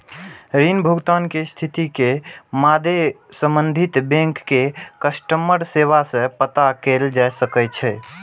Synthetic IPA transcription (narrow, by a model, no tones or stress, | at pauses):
ɾinbʱuɡt̪ankest̪ʰit̪ikemad̪ʱe | sə̃mbənd̪ʱit̪bẽŋkːekəsʈəmːəɾseβasə̃pət̪akeld͡ʒaesəkɛt͡ʃʰɛ